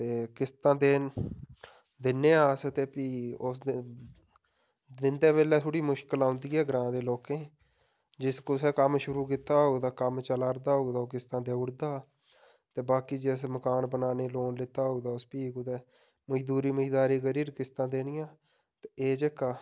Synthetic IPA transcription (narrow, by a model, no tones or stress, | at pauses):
t̪eːkɪst̪ãːd̪eː | d̪ɪnːẽːaːsət̪eːpiːʊs | d̪ɪnd̪eːβeːlɛːt̪ʰʊɽiːmʊʃkəlãːʊnd̪iːɦɛːɡəɾãːd̪eːloːkẽː | d͡ʒɪskoːsɛːkəmʃʊɾuːkɪt̪ːaːɦoːɡd̪aːkəmt͡ʃəlaːɾd̪aːɦoːɡd̪aːoːkɪst̪ãːd̪eːʊɽd̪aː | t̪eːbaːkiːd͡ʒeːsməkaːnbənaːneːloːnlɪt̪aːɦoɡd̪aːʊspiːkʊd̪ɛː | məd͡ʒd̪uːɾiːməd͡ʒd̪aːɾiːkəɾiːɾkɪst̪ãːd̪eːnɪjãː | t̪eeːd͡ʒekaː